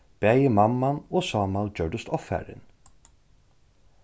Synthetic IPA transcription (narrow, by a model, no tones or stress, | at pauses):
b̥æːjɪmamːanɔːsɑːmald͡ʒœɹɖ̪ʊst̪ɔfæ̰ːɾɪ̰n